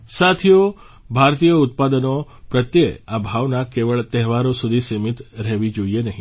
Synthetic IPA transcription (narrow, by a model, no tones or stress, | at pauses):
sat̪ʰijo | bʱaɾt̪ijəut̪̚pad̪əno | pɾət̪jeabʱaʋnakeʋəɭt̪ɛɦʋaɾosud̪ʱisemit̪ɾɛɦʋid͡ʒoienəɦĩ